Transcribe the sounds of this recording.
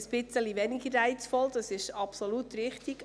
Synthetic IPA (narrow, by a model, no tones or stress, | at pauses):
əsb̥ɪt͡səliʋɛnɪɡəɾːæɪt͡sfɔld̥̪ɑsɪʃɑpsolut̪ɾɪχt̪ik